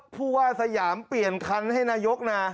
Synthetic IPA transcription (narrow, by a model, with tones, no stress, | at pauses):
pʰuː˥˩waː˥˩sa˧jaː˩˦mpli˨˩ənkʰa˧nha˥˩jnaː˧jo˦˥k̚naː˧